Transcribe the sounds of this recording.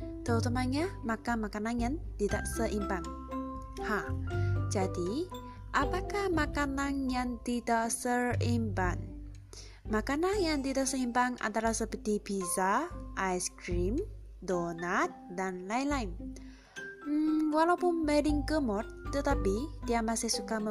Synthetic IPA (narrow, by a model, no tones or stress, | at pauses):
t̪əɦult̪əmanɲamakamakanaŋjant̪idaʔsəʔimpaŋ | had͡ʒadi | ʔapakahmakanaŋjaŋt̪idaʔsəimban | makanaŋjaŋt̪idaʔsəimpaŋa̰nt̪aɾahsəbədibisaʔajskɾim | donat̪̚danlajlajn | m̩walaupʊnmɛdɪŋkəmɔt̪ːət̪apid̥iamasɪhsukamə